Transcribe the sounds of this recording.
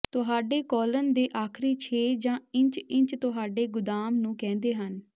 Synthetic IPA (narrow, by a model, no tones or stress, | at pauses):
t̪ʊɦaːɖeːkɔːlənd̪eːʔaːkʰɾiːt͡ʃʰeːd͡ʒãːɪ̃ɲt͡ʃɪ̃ɲt͡ʃt̪ʊɦaːɖeːɡʊd̪aːmnũːkɛ̃ːnd̪eːɦən